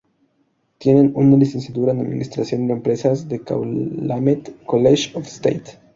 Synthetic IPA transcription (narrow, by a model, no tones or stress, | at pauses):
t̪je̞nenunalisensjat̪uɾanaðmḭ̃nist̪ɾasjo̞nd̪empɾe̞sazðeka̰wlamet̪koleʃofst̪ejt̪